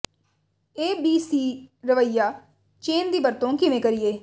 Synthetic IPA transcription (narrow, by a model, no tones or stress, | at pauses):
eːbiːsiːɾəʋəɪjaː | t͡ʃeːnd̪iːbəɾt̪õːkɪʋẽːkəɾɪjeː